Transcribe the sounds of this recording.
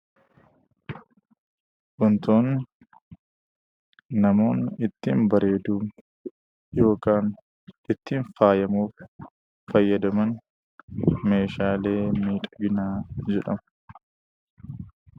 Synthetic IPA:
ʔʊnt̪o̞ːn | ɐmo̞ːnɪt̪ːiːmbɐɾe̞ːd̪uː | jo̞ːkaːn | ɪt̪ːiːnfaːjɐmuːf | fɐjːɐd̪ɐmɐn | me̞ːʃaːle̞ːmiːᶑ̪ʼɐɡɪnaːd͡ʒɛᶑɐm

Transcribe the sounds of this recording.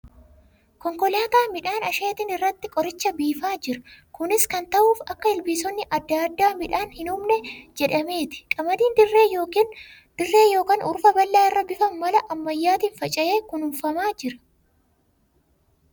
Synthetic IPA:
kɔŋkɔlaːt̪aːmɪᶑaːnɐʃeːt̪ɪnɪrːɐt̪ːɪkʼɔɾɪt͡ʃːɐbiːfaːd͡ʒɪɾɐ̥kʊnɪskɐnt̪ɐʔuːfɐkːɐɪlbiːsɔnːɪʔɐd̪ːad̪ːaːmɪᶑaːnhɪnʊmnɛd͡ʒɛᶑɐme̞ːt̪ɪ̥kʼɐmɐd̪iːnd̪ɪrːeːjo̞ːkiːn | d̪̥ɪrːe̞ːjo̞ːkaːnʔʊɾfɐbɐlːaːɪrːɐbɪfɐmmɐlɐʔɐmːɐjːaːt̪iːnfɐt͡ʃʼɐjeːkʊnʊmfɐmaːd͡ʒɪɾɐ̥

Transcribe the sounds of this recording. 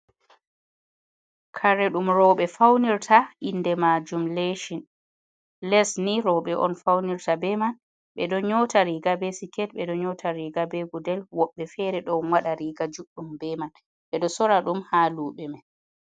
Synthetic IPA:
kʰaɾɛɗumɾɔɓɛfawniɾtʰaʔindɛmad͡ʒumleʃin | lɛsniɾɔɓɛʔɔ̰nfawniɾtabɛman | ɓɛɗɔɲɔtaɾiɡabɛsikɛt̚ɓɛɗɔɲɔtʰaɾiɡabɛɡudɛlwɔɓːɛfɛɾɛɗɔnwaɗaɾiːɡad͡ʒuɗːumbɛman | ɓɛɗɔsɔɾaɗumhaːluːɓɛma

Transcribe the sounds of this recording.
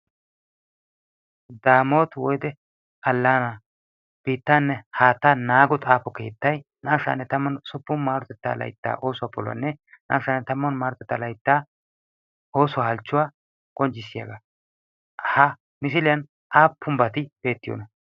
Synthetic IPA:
d̪aːmo̞ːt̪wɔjd̪ɛ | ɐlːaːna | b̥iːt̪ːaːnːɛhaːt̪ːanaːɡɔt̪ʼaːpːɔkeːt̪ːɐj | naːʃa̰nːɛt̪ɐmːɐnsʊpːʊnmaːɾɔt̪ɛt̪ːa̰ːlɐ̰jt̪ːa̰ːʔo̞ːsʊwaːpɔlɐ̰nːɛnʔa̰ːʃanːɛt̪ɐmːɔnmaːɾɔt̪ɛt̪ːalɐjt̪ːaː | o̞ːsʊwahɐlt͡ʃːʊwaː | kʼɔnt͡ʃːɪsːɪja̰ːɡa | hɐ | mɪs̬ɪlɪjɐn | ʔaːpːʊmbɐt̪ɪb̥e̞ːt̪ːɪjo̰ːnɐ

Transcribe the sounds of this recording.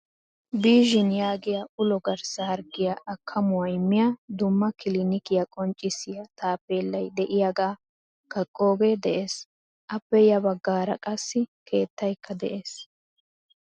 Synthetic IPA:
biːʒɪnjaːɡɪjaʊlɔɡɐɾsɐhɐɾɡɪjɐʔɐkʰːɐmʊwɐjmːɪjɐd̪ʊmːɐkɪlinɪkɪjɐkʼɔnt͡ʃʼːɪsɪjɐt̪aːpːeːlːɐjd̪ɛʔɪjaɡaː | kɐkʼːo̞ːɡed̪ɛʔe̞ːs | ʔɐpːɛjɐbɐɡːaːɾɐ̰kʼɐsːɪkʰe̞ːt̪ːɐjkːɐd̪ɛʔe̞ːs

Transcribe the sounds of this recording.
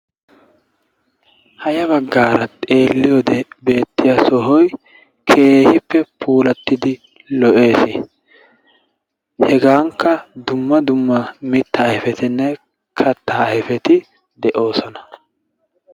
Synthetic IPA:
hɐjɐβɐɡːaːɾɐt̪ʼe̞ːlːɪjɔːd̪ɛbe̞ːt̪ːɪjasɔɦɔj | kʰe̞ːhɪpːɛpʰuːlɐt̪ːɪd̪ɪ | lɔʔe̞ːsɪ | hɛɡaːŋkːɐd̪ʊmːɐd̪ʊmːɐmɪt̪ːɐːhɪfɛt̪ɪnːɛ | kʰɐt̪ːɐhɪfɛt̪ɪ | d̪ɛʔo̞ːsɔnɐ̥

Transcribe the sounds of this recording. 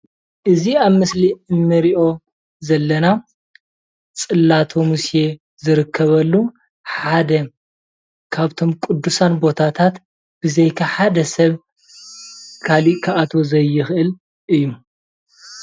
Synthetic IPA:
ʔɨziaβmɨsliɨnːɨɾiʔo̞ | zɐlːɐna | t͡sʼɨlːat̪ʰo̞mɨsje̞ | zɨɾɨkʰːɐβɐlːu | ħad̪ɐ | kʰaβt̪ʰo̞mkʼud̪ːusanbo̞t̪ʰat̪ʰat̪ | b̥ɨzejkʰaħad̪ɐsɐβ | kʰaliʔkʰaʔat̪ʰo̞zɐjːɪxʔɨl | ʔɨjːu

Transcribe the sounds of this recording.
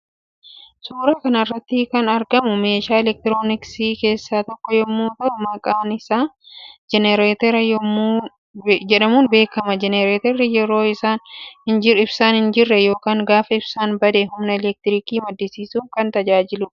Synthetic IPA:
suːɾaːkɐnɐrːɐt̪ːɪkɐnɐɾɡɐmʊme̞ːʃaːɛlɛk̚t̪ɪɾo̞ːnɪksiːke̞ːsːaːt̪ɔkːɔjɔmːuːt̪ɐʊmɐkʼaːnɪsaːd͡ʒɛnɛɾeːt̪ɛɾɐjmː | d͡ʒɛᶑɐmuːnbe̞ːkɐmɐd͡ʒɛnɛɾeːt̪ɛɾɪjɛɾo̞ːɪsaːnhɪnd͡ʒɪɪbsaːnhɪnd͡ʒɪrːɛjo̞ːkaːŋɡaːfɐɪbsaːnbɐd̪ɛɦʊmnɛɛlɛk̚t̪ɪɾɪkiːmɐd̪ːɪsiːsuːŋkɐnt̪ɐd͡ʒaːd͡ʒɪlʊ

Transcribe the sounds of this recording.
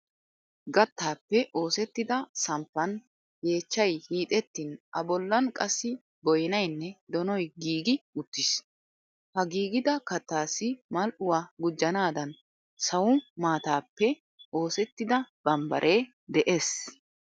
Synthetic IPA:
ɡɐt̪ːaːpːɛʔo̞ːsɛt̪ːɪd̪ɐsɐmpːɐn | ɡe̞ːt͡ʃːɐjhiːt̪ʼɛt̪ːɪnʔɐbɔlːɐnkʼɐsːɪ | bɔjɪnɐjnːɛd̪ɔnɔjɡiːɡɪʊt̪ːɪs | hɐɡiːɡɪd̪ɐkɐt̪ːaːsːɪmɐlʔʊwaːɡʊd͡ʒːɐnaːd̪ɐn | sɐwʊmaːt̪aːpːɛ | o̞ːsɛt̪ːɪd̪ɐb̥ɐmbɐ̰ɾʔe̞ː | d̪ɛʔe̞ːs

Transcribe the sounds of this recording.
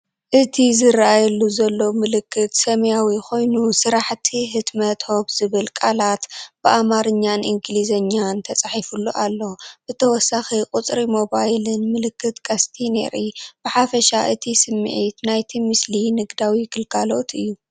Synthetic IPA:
ʔɨt̪ʰizɨɾaʔajɛlːuzɐlːo̞mɨlɨkʰːɨt̪sɐmɐjawikʰo̞jnusɨɾaħt̪ʰiɦɨt̪mɐt̪ho̞bz̥ɨβɨlkʼalat̪b̥ɨʔamaɾɨɲːanʔiŋɡlizɐɲːant̪ʰɐt͡sʼaħifulːuʔalːo̞b̥ɨt̪ʰɐwɔsːaxikʼut͡sʼɾimo̞bajlɨnmɨlɨkʰːɨt̪kʰʼast̪ʰinḛɾib̥ɨħafɐʃaʔɨt̪ʰisɨmːɨ̰ʕit̪najt̪ʰimɨslinɨɡd̪awiɡɨlɡalo̞t̪ʰɨjːu

